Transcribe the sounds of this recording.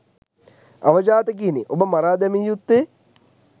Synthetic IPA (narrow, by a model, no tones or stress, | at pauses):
ɐʋəd͡ʒaːt̪ək̬iniʔobəmɐɾaːd̪ɛmijut̪ːe